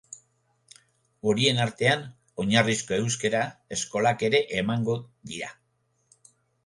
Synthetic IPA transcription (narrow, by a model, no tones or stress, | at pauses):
o̞ɾie̞naɾt̪e̞an | o̞ɲarisko̞e̞wskeɾae̞sko̞lake̞ɾe̞ʔemaŋɡo̞d̪iɾa